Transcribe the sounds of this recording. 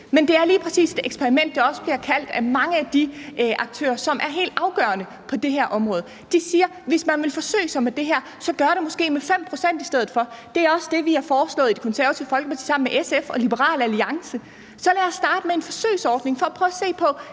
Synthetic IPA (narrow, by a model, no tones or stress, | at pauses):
mend̥e̝æɐliːpʰʁɛsḭːse̥eɡ̥spʰeɐʁimen̰d̥ːɑ̈ɒ̽səb̥liɐkʰæl̰d̥æmɑ̈ŋəæd̥iʔɑ̈ɡ̥̚t͡sʰø̰ːɐsɒ̽mʔæɐɦe̝̰ːld̥ɑ̈ʊɡ̥ɶ̰ɐnə | pʰɒ̽d̥e̝ɦæɐʔɒ̽mʁɔ̽ːð̞̩ˠ | d̥isiːɐʋe̝smænʋe̝lfɒ̽sø̰ːɪsɒ̽med̥e̝ɦæɐ̰sɒ̽ɡ̥ɶɐɾ̥e̝mɔ̽sɡ̥e̝̰ːmefem̰pʰʁo̝sen̰d̥isd̥eð̞̰̩ˠfɒ̽d̥e̝æɐɒ̽səd̥e̝ʋiæfɒːslɔ̰̽ːðˠid̥e̥kʰo̽nsæɐʋɐt͡sʰifɒ̽lɡ̥əpʰɑt͡sʰi̥̰ːsɑ̈m̰n̩meʔesefɒ̽lib̥əʁɑ̰̈ːlæliɑ̈ŋsə | sɒ̽læɐsd̥ɑ̈ːd̥əmee̝nfɒ̽sø̰ːɪsɒːd̥ne̝ŋfɒ̽æpʰʁœːse̝̰ːpʰɒ̽